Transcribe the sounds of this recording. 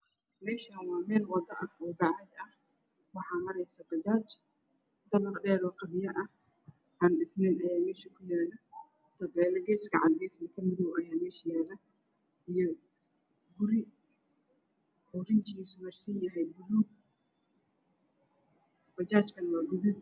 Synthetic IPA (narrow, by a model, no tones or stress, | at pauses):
mɛːʃɐɐnwɑːmɛːlwɐd̪ɐʔɐhbaʕhɐd̪ɐh | wɑħɑːmɐɾɛjsɐbɐt͡ʃaːt͡ʃ | d̪ɐβɐlɗɛːɾɔːqɐβɪjɐʔɐh | ʔaːnɖɪsnɛnɐjaːmɛːʃɐkʰʊjaːlɐ | t̪ɐɡɛːlɐɡɛːsɡɐʕɑd̪ɡɛːsɐkʰɐmɪðɔwʔɐjaːmɛːʃɐjaːlɐ | ʔijɔ | ɡʊɾɪ | ʊɾɪnt͡ʃiːsmɐrsɐnjɐɦɛjbʊluːɡ̚ | bɐt͡ʃaːt͡ʃkʰɐnwɑːɡʊðɪd̪